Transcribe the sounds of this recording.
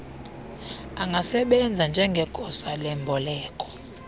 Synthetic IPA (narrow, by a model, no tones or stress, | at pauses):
aŋɡʱasɛɓɛnd͡zʱand͡ʒʱɛŋɡʱɛkʼɔsalɛmbʱɔlɛːkʼɔ̥